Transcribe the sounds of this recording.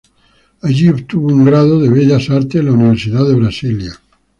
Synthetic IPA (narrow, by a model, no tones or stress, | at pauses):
aʎioβt̪uβouŋɡɾað̞oðeβ̞eʎasaɾt̪elauniβeɾsiðaðeβɾasilja